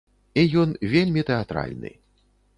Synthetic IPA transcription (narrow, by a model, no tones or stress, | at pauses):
ijɔnvʲelʲmʲit̪ɛat̪ɾa̰lʲnɨ̰